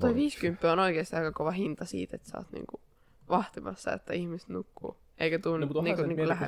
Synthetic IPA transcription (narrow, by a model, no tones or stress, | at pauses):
t̪ueʋiːskympːiono̞jɡest̪iæɡ̥ɑko̞ʋɑɦind̪̥ɑsḭːt̪et̪sɑ̰ːt̪nḭːŋɡ̥u | ʋɑht̪imɑ̰sːɑ̰ḛt̪ːɑ̰ihmist̪nukːṵ | ekæt̪uːnːnikuniːkulæɦæ̰